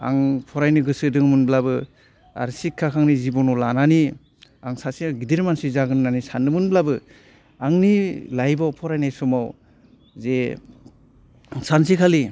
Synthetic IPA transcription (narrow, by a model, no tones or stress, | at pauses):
a̰ŋpʰɔɾajniɡɯsɯdɯŋmɯnblabɯ | a̰ɾsikʰːakʰaŋnizibɔnɔlanani | aŋsasiɡidiɾmansizaɡɯnnanisanɯmɯnblabɯ | aŋnilajbawpʰɔɾajnajsɔmaw | ze | ŋsansikʰali